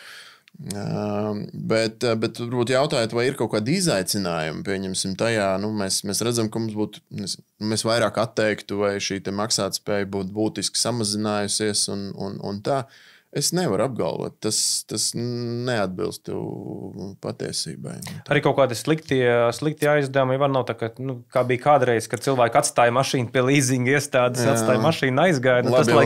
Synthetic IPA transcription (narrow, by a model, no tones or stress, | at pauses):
bɛt̪bɛt̪uɾbuːt̪jawt̪aːjt̪vajiɾkawkaːd̪izajt̪sɪnaːjṵmpiɛɲɛmsimt̪ajaːnumɛsmɛsɾæd̪zamkɐmumsbuːt̪nɛsnmɛsʋajɾaːkat̪ːɛjkt̪uvajʃiːt̪ɛmaksaːt̪spɛːjbuːt̪̚buːt̪isksamazinaːjusiɛsunṵnṵnt̪aː | esneʋaɾab̚ɡa̰lʋɛ̰t̪̚t̪ːast̪asnead̪̚bḭlˠst̪ṵ | pa̰t̪ḭɛsḭːba̰jaɾiːkawkaːd̪islˠikt̪iɛslˠik̚t̪iːajzd̪awmjʋaɾnawt̪akanukaːbijkaːd̪ɾɛjz̥kad̪̚silˠʋæːkat̪st̪aːjmaʃiːnpiɛlˠiːziŋɡiɛst̪aːd̪essat̪st̪aːjmaʃiːnajzɡaːj̪nulasˠa